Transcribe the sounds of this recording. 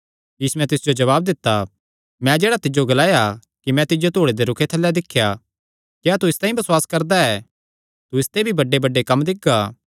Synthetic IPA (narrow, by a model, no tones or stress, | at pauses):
jiːsumɛ̃t̪ɪsd͡ʒod͡ʒɐβaːb̚d̪ɪt̪ːa | mɛ̃d͡ʒeːɽat̪ɪd͡ʒoɡɐlaːja | kimɛ̃t̪ɪd͡ʒot̪oːɽed̪eɾʊkʰet̪ʰɐlːɛd̪ɪkʰja | kɛat̪uɪst̪aːĩbɐswaːskɐɾd̪aɛː | t̪uɪst̪ebʱibɐɖːebɐɖːekɐmd̪ɪɡ̚aː